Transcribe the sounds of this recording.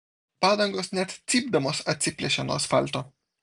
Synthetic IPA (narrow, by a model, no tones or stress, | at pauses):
pad̪ɐŋɡosnʲɛt̪t͡s̪ib̚d̪ɐmosɐt̪sʲipʲlʲeʃʲanoasfa̰lʲt̪o